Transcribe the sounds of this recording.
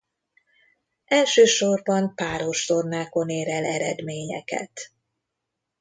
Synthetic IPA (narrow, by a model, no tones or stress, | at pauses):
ɛlʃøːʃo̞rbɒmpaːɾo̞ʃt̪o̞rnaːko̞neːɾɛlɛɾɛd̪meːɲɛ̰kɛ̰t̪